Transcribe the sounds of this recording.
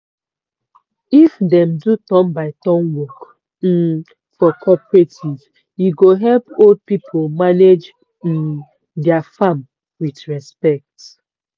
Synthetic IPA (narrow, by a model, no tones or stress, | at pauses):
ifdɛ̃mdutɔ̃mbaɪtɔ̃mwɔk̩ | fɔkʰɔpɹetʰiv | juɡoɦɛlpold̚pipʰomaned͡ʒ̩ | dɛafam | witɹɛspɛk̚t